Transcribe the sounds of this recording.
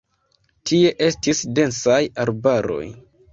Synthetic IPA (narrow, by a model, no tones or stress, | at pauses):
tʰie̞ʔe̞stisde̞nsajaɾbaɾo̞̰j